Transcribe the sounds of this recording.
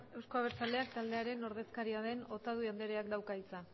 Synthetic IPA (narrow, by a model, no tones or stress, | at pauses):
e̞wsko̞aβ̞e̞ɾt͡sald̪e̞ak̚t̪ald̪eaɾe̞no̞ɾð̞e̞skaɾiaðe̞no̞t̪að̞uiand̪e̞ɾe̞akd̪awkait͡sa